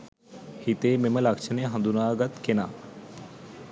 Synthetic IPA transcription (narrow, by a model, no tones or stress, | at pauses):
hit̪eːmeməlakt͡ʃʰəneɦɐ̃nd̪unaːɡɐt̪kenaː